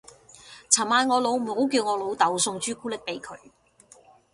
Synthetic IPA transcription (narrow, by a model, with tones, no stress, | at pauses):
t͡sʰɐ˨˩maː˨˧nŋɔː˨˧lo˨˧wm̩˨˩ho˨˥wkiː˧wŋɔː˨˧lo˨˧wt̪ɐ˨˥wsʊ˧ŋt͡ʃyː˥kuː˥lɪ˨˥k̚pe˨˥jkʰɵ˨˧ɥ